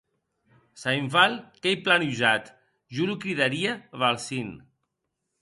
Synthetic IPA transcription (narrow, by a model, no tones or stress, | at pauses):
sajɱfalkejplanuʒat̪ | ʒuɾukɾiðaɾiaβalˠsin